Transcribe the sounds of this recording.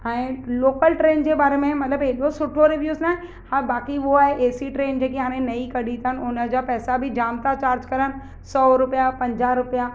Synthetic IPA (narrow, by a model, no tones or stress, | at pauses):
ɛ̃ːloːkəlʈɾeːnd͡ʑeːbaːɾemẽmɐt̪ləbeɗosʊʈʰoɾɪʋjuːznaːɦẽ | habaːkiʋʊoaːɦeʔeːsiʈɾeːnd͡ʑeːkeɦaːɾ̃ẽnɐikɐɗʱĩt̪ʰaɦənɪ̆ʊnə̆d͡ʑaːpɛːsabʱɪd͡ʑaːmt̪at͡ɕaːɾd͡ʑkɐɾənɪ̆ | sɔːɾʊpijapɐ̃ɲd͡ʑaɾʊpja